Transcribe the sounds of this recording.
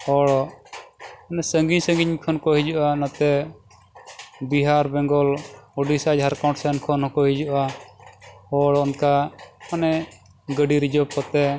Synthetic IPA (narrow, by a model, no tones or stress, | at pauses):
ɔɽ | anɛsəŋɡiɲsəŋɡiɲkʰɔnkɔɦid͡ʒuʔanat̪ɛ | biɦaɾbɛ̃ŋɡɔlɔɖisad͡ʒɦaɾkaw̃ʈsɛnkʰɔnɦɔkɔɦid͡ʒuʔa | ɔɽɔnkaanɛ | ɡəɖiɾid͡ʒɔp̚kɔt̪ɛ